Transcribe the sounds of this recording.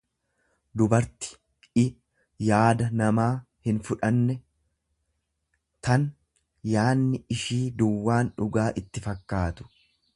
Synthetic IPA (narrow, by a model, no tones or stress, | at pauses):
d̪ʊbɐɾt̪ɪ̥ | ɪ | jaːd̪ɐnɐmaː | hɪnfʊᶑɐnːɛ | t̪ɐn | jaːnːɪɪʃiːd̪ʊwːaːnᶑʊɡaːʔɪt̪ːɪfɐkːaːt̪ʊ̥